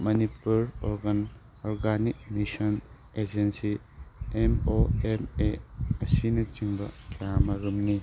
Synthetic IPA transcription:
mɐnipʰuɾɔɾɡɐn | ɔɾɡanik̚misɐn | ed͡ʒensi | emoemeɐsinɐt͡ʃiŋbɐkʰijamɐɾumni

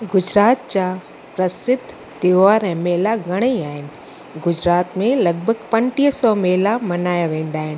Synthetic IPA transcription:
ɡʊd͡ʑɾaːt̪̚t͡ɕaː | pɾɐsɪd̪ʱː | t̪ɪʋaːɾɛ̃meːlaɡʱɐɽ̃eaːɦɪnɪ̆ | ɡʊd͡ʑɾaːt̪mẽlɐɡ̚bʱəɡpɐ̃ɳʈiɦsɔmeːlamɐnaːjaʋẽːn̆d̪aːɦɪnɪ̆

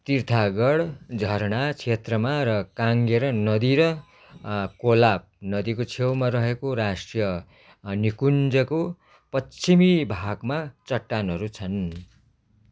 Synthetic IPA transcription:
t̪irt̪ʰaɡʌɽd͡zʱʌɾɳat͡sʰet̪rʌmaɾʌkaŋɡeɾʌnʌd̪iɾʌ | kolap̚nʌd̪ikot͡sʰewmarʌɦekoɾasʈrijʌ | nikund͡zʌko | pʌimibʱaɡmat͡sʌʈːanɦʌɾut͡sʰʌn

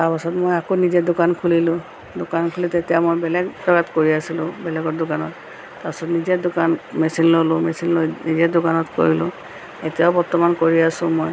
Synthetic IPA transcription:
taɹpasɔtmojakonizɛdʊkankʰulilʊ̃ | dʊkankʰulɛtetijamojbɛlɛɡɹɔɡatkoɹiasilʊ̃bɛlɛɡɔdʊkanɔ̰tː | apasɔtnizɛdʊkanmesinlolʊmɛsinlonizɛdʊkanɔtko̰ɹilʊ̰̃ | etijaʊbɔɹtɔmankoɹiasʊ̃moj

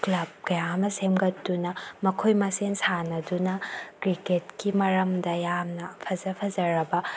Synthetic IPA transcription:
klɐb̚kɐjamɐsemɡɐtdunɐmɐkʰojmɐsensanɐdunɐkɾiketkimɐɾɐmdɐjamnɐpʰɐzɐpʰɐzɐɾɐbɐ

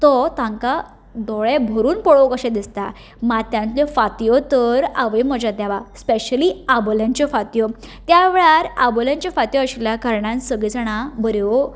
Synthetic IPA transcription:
t̪ɔt̪ãŋka | d̪ɔɭebʱəɾuːnpɔɭokəɕẽd̪ist̪a | mat̪jãnt̪ljɔfat̪ijɔt̪əɾaʋəjməd͡ʑat̪ːjaʋaspeɕəliaboljãɲt͡ɕɔfat̪jɔ | t̪jaʋeɭaɾaboljãɲt͡ɕafat̪jɔəɕiljakaɾɳãnsəɡɭid͡zaɽ̃abəɾjɔ

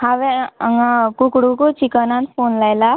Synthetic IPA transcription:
haʋeəŋakukɽukot͡ʃikənãnfonlajla

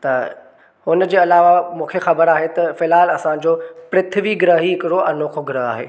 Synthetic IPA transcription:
t̪ɐ | ɦʊnd͡ʑeːɐlaːʋamũːkʰexɐbəɾaːɦet̪ɐfɪlaːlɐsãd͡ʑoːpɾɪt̪ʰʋiɡɪɾəɦiɪkɪɽoɐnoːkʰoɡɪɾəɦa̰ːɦḛː

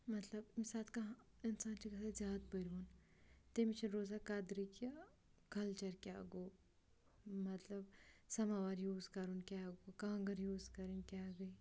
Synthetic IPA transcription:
mɐt̪lɐbmisaːt̪kɐɦ | ɪnsaːnt͡ʃiɡɐsazjaːd̪̚bɐɾoːn | t̪emit͡ʃʰiɾoːzakad̪ɾika | kɐlt͡ʃɐɾkʲaːɡoː | mɐt̪lɐbsɐmaːʋaɾjuːzkɐɾunkʲaːɡoːkaŋɡɐɾjuːzkɐɾinkʲaːɡɐi

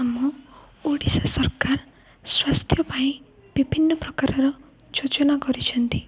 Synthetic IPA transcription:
amu | oɽisasɔɾkaɾ | swast̪ʰjɔpaĩ | b̥ibʱinːɔpɾɔkaɾɔɾɔ | d͡ʒod͡ʒɔnaɡɔɾit͡ʃʰɔnt̪i

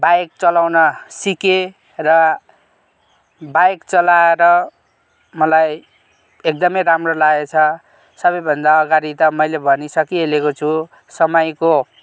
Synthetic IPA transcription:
bajk̚t͡sʌlawnʌsike | rʌ | bajkt͡sʌlaeɾʌ | mʌlaj | ek̚d̪ʌmʌjɾamrolaet͡sʰʌ | sʌbʌjbʱʌnd̪aʌɡaɾit̪ʌmʌjlebʱʌnisʌkielekot͡sʰu | sʌmʌjko

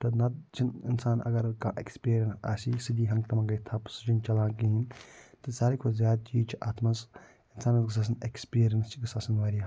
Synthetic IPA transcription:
t̪ɐnɐd̪̚t͡ʃʰinɪ̰nsaːnɐ̰ɡɐɾkaːʔḛkspiːɾjɐnsa̰ːsiːsɨd̪iːɦɐ̃ŋɡt̪ɐmãːkait̪ʰɐpsɨt͡ʃint͡ʃɐlãːkiɦint̪ɨsaːɾikʰozjaːd̪̚t͡ʃiːd͡ʒt͡ʃʰiʔaːt̪mas | ɪnsaːnɐt̪kɐsaːs̬ɐnekspiːɾijɐnst͡ʃʰikɐsaːsɐnʋaːɾi

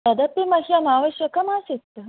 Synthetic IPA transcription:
ɐd̪ɐpimɐɦjɐnaːʋɐʃjɐkɐmaːsit̪ː

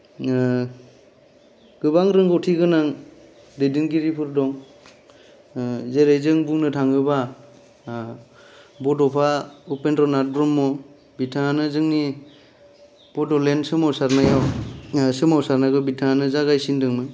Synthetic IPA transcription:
ɡ̥ɯbaŋɾɯŋɡɔtʰiɡɯnaŋ | dejdɯŋɡiɾipʰɯɾdɔŋ | zeɾejzɯŋbuŋnɯtʰaŋɯba | bɔdɔpʰaupendɾɔnadɾɔmːɔ | bitʰaanɯzɯŋni | b̥ɔdɔlensɯmawsaɾnajawsɯmɔwsaɾnaɡɯbitʰaanɯzaɡajsindɯŋmɯ

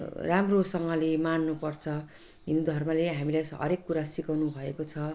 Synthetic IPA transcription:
ramrosʌŋɡʌlemanːupʌrt͡sʰʌ | ɦinud̪ʱʌrmʌleɦamilajsɦʌ̰ɾekːuɾasikʌwnubʱʌekot͡sʰʌ

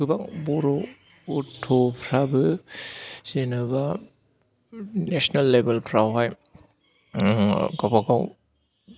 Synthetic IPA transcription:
ɯbakbɔɾɔː | tʰɔpʰɾabɯ | senɯba | nesnalːebelpʰɾawɦaj | ɡapakaw

